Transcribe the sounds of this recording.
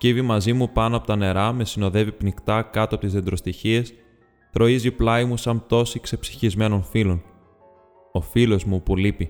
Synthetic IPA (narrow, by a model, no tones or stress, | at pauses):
civimɐzimupɐnoɐpo̞t̪ɐne̞ɾɐme̞sino̞ðe̞vipnikt̪ɐkɐt̪oɐpo̞t̪izðe̞nd̪ɾost̪içie̞s | θɾo̞iziplɐimusɐnt̪o̞sikse̞psi̥çizme̞no̞nfilo̞n | o̞filo̞zmupulipi